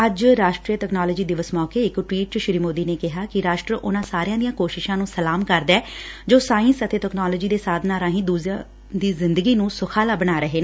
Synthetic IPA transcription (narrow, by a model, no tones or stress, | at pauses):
əd͡ʒɾaːʃʈɾiːəʈɛːknɔːlɔd͡ʒiːd̪ɪʋəsmɔːkeːɪkʈʋiːʈʃɪɾiːmoːd̪iːneːkɪɦaːkɪɾaːʃʈɾəʔʊnãːsaːɾɪãːd̪ijãːkoːʃɪʃãːnũːsəlaːmkəɾd̪ɛːd͡ʒoːsaːɪnsət̪eːtɛknaːlɔːd͡ʒiːd̪eːsaːd̪ʱnaːɾãːɦĩːd̪uːz | d̪iːzɪnd̪əɡiːnũːsʊkʰaːlaːbənaːɾəɦeːn